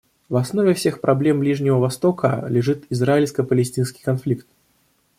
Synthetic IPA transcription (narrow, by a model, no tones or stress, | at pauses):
vasnɔvʲɛwsʲɛxpɾʔablʲɛmblʲiʐnʲivɐvast̪ɔkɐ̰lʲɛʐɨt̪izrailʲskɐpəlʲɛsʲt̪ʲinskʲi̥kanflʲikt̪̚